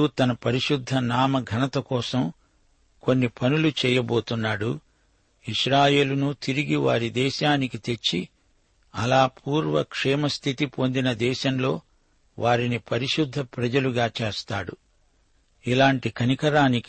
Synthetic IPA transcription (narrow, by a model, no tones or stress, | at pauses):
ut̪ɐnɐpɐɾiʃud̪ʱːɐnaːmɐɡʱɐnɐt̪ɐkɔːsɐm | ko̞nːipɐnulut͡ʃɛːjɐbo̞ːt̪unːaːɽu | iʃɾaːjeːlunut̪iɾiɡiʋa̰ːɾid̪ɛːʃaːnikit̪e̞t͡ʃːi | ɐlaːpʰuːɾʋɐ̰kʂɛːmɐst̪ʰit̪ipo̞nd̪inɐd̪ɛːʃɐmlo̞ː | ʋʔaːɾinipɐɾiʃud̪ʱːɐpɾɐd͡ʒɐluɡaːt͡ʃeːst̪aːɽu | ilaːɳʈikʰɐnikɐɾaːnik